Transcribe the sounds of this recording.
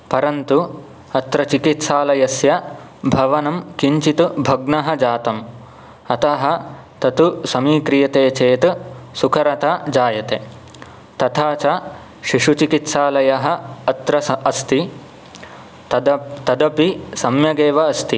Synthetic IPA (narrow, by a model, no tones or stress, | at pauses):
pɐɾɐnt̪u | ɐt̪ɾɐt͡ʃikit̪saːlɐjɐsjɐ | bʱɐʋɐnɐmkiɲt͡ʃit̪ubʱɐɡnɐɦɐ̆d͡ʒaːt̪ɐm | ɐt̪ɐɦɐ̆ | t̪ɐt̪usɐmiːkɾijɐt̪eːt͡ʃeːt̪sukʰɐɾɐt̪ʰɐd͡ʒaːjɐt̪e | t̪ɐt̪ʰaːt͡ʃɐ | ʃiʂut͡ʃikit̪saːlɐjɐɦɐ̆ɐt̪ɾɐɐst̪i | t̪ɐd̪ɐpisɐmjɐɡeːʋɐːst̪i